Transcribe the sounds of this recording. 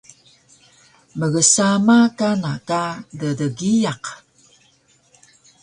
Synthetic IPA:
məɣəsamakanakadədəɡijaq

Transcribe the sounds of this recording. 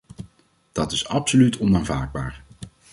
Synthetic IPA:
d̥ɑtɪsɑpsolytɔnaːnvaːd̚baːɹ

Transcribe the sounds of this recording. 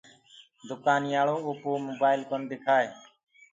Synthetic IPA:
d̪ʊkaːnɪjaːɭoːopoːmoːbaːɪlkənd̪ɪkʰaːe

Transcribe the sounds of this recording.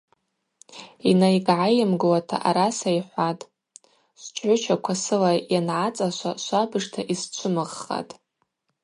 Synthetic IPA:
inajɡʕajɪmɡɨwatʰa̰ʔaɾasaiħʷatʼ | sʷt͡ʃʷʼʰʕʷʊt͡ʃʰakʷʰasɨlajanʕat͡sʼaʃʷaʃʷabɨʐtʰaʔist͡ʃʷʰʊmɨʁːa̰tʼ

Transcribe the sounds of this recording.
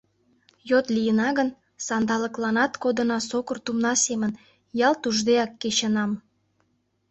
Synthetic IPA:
jot̪lʲijənɑɣən | sɑnd̪ɑlə̆klɑnɑt̪kod̪ə̆nɑsokərt̪umnɑsemən | jɑlt̪uʒd̪eɑkːeɕənɑm

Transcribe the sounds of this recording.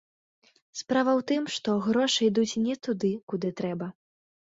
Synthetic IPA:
spɾavɐwt̪ɨmʂt̪ɔɣɾɔʂɨid̪ut͡sʲnʲɛt̪ud̪ɨkud̪ɨt̪ɾɛbɐ

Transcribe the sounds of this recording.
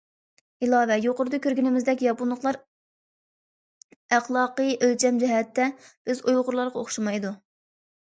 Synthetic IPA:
ɪlˠɑːvɛjoqʊɾɨd̪ɑkʲʰøɾɡʲinɪmɪzd̪ɛk̬ʲjɑpunlˠəχlˠɑɾ | æχlˠɑːqəʔølt͡ʃʰɛmd͡ʒɛɦɛt̪ʰːɛb̥ɪzujʁʊɾlˠɑɾʁɑoχʃɑmɑjd̪u

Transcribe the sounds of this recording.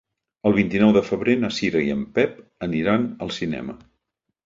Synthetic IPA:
əlˠβ̞int̪inɔwðəfəβɾenəsiɾəiəmpɛp̚əniɾanəlˠsinɛ̰mə

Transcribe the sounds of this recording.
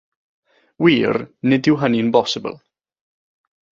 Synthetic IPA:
wiːrnɪdɪwɦəninbɔsɪbə̰lˠ

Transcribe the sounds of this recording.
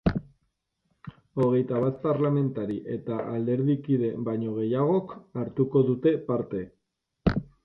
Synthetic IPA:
o̞ɣ̞e̞jt̪aβat̪̚paɾlame̞nt̪aɾiʔe̞t̪aʔald̪e̞ɾðikið̞e̞baɲo̞ɣ̞e̞jaɣ̞o̞kaɾt̪uko̞ðut̪e̞paɾt̪e̞

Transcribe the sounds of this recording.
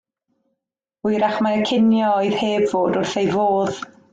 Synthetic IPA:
ʊjɾaχmaɾəkʰɪnjɔɔɨð̥heːbvoːdʊrθejvoːð̥

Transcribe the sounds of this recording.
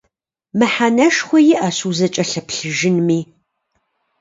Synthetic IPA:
mɨħanɐʃxʷɔjɪʔɐɕuːzɐt͡ʃʼɐɬɐpɬɨʒɨnmiː

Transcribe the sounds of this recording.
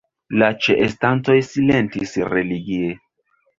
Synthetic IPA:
lat͡ʃeʔestant͡so̞jsile̞ntisɾeliɡie

